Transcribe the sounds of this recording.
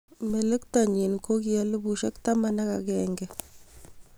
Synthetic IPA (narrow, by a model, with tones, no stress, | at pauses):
me˨le˦kta˨ɲi˨nko˦ki˦a˦le˦bu˨ʃe˦kta˦ma˦na˦ka˨kɛŋɡɛ˦